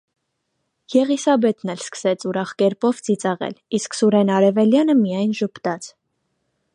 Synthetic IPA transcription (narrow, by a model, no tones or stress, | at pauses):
jɛʁisɑbɛt̪nɛlskə̥sɛt͡sʰuɾɑχkɛɾpɔvt͡sit͡sɑʁɛ̰lisksuɾɛnɑɾɛvɛljɑnəmijɑjnʒəpt̪ɑt͡sʰ